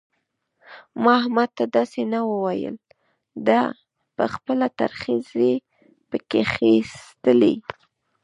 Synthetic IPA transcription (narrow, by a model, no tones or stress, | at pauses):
mɑahmad̪̚t̪ad̪ɑsenawəwajə̰l | d̪ɑ | pəxpəlat̪a̰ɾxize | pəkexist̪əlḭ